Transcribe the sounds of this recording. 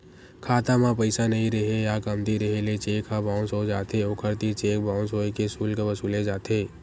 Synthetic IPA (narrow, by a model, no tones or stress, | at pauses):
kʰaːt̪ãmãpəɪsanɐɦĩɾɐɦejakəmd̪iɾɐɦelet͡ʃeːkʰãbãːʊ̃nsɦod͡ʒaːt̪eoːkʰəɾt̪it͡ʃeːkbaːʊ̃nsɦoːekesuːlkeʋɐsuːled͡ʒaːt̪eː